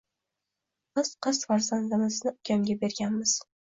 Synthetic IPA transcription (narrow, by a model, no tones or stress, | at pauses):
b̥ɪz̥qʰɨsfaɾzand̪ɪmɪznɪʊkʲʰamɡʲabe̞ɾɡʲanmɪz̥